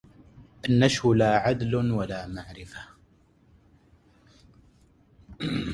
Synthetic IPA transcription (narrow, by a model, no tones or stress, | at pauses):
ʔanːaʃhʊlaːʕad̪lwalaːmaʕɾɪfa